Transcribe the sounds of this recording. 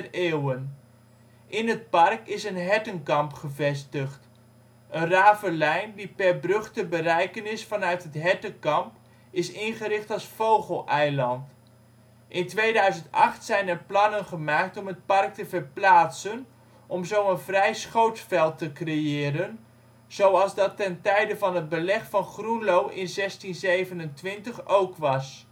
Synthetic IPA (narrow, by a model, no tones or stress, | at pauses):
reːwən | ʔɪnɦət̚pɑrkɪsənɦɛtənkɑmpχəvɛs̬təχt | ənraːvəlɛjndipɛrbrɵχtəbəɾɛjkənɪsfɑnœɥtɦətɦɛtəkɑmp | ɪsɪnχəɾɪχtɑlˠsfowχəlˠʔɛjlɑnt | ʔɪntʋejdœɥzəntɑχtsɛjnɛrplɑnənχəmaːk̚tɔmɦət̚pɑrk̚təvərplaːtsən | ʔɔmzowənvrɛjsχowtfɛlˠtəkrejɪːɾən | z̥owɑlˠzdɑtɛntɛjdəvɑnɦəd̚bəlɛχfɑnχrunlowʔɪnzɛstinzejvənəntʋɪntəχowkʋɑs